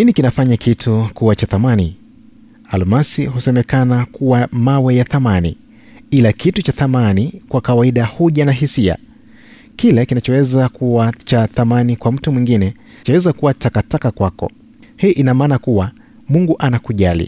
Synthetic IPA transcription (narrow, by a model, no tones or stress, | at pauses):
ninikinafaɲakʰitʰukuwat͡ʃaθamani | almasiɦusɛmɛkanakʰuwamawɛjaθamanḭ | ilakʰitut͡ʃaθamanikwakawaiɗahuʄanaɦisia̰ | kilɛkinat͡ʃɔwɛzakuwat͡ʃaθamanikwam̩tumwiŋɡinɛ | t͡ʃɔwɛzakuwatakatakakwakɔ̰ | hiːʔinamaːnakuwa | muŋɡuʔanakuʄalḭ